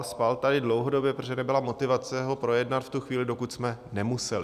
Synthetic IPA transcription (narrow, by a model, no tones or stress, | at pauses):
spalt̪adɪdlo̞wɦodo̞bjɛpɾoʒɛnɛbɪlamo̞t̪ɪvat͡sɛɦo̞pɾo̞jɛdnat̪ft̪uxviːlɪdo̞kut̪smɛnɛmusɛlɪ